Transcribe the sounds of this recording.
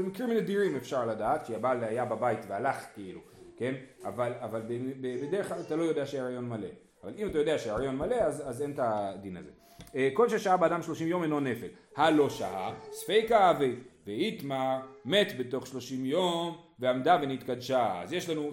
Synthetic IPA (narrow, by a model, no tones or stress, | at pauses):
mikʁiminadiɾimefʃaʁladaːt̪kʃeabalajababajitvealaχkeilu | ke̞navalavalbebebedeʁeχklalat̪alo̞jodeaʃeaʁajo̞nmale̞̰ | avalimatajo̞deaʃeaʁajo̞nmale̞azazentadina̰zḛ | eko̞lʃeʃaabeadamʃlo̞ʃimjo̞menlone̞fel | halo̞ʃa̰ʔasfejkaaveveit̪mame̞t̪be̞to̞χʃlo̞ʃimjomveamdavenit̪kadʃaa̰zje̞ʃlanu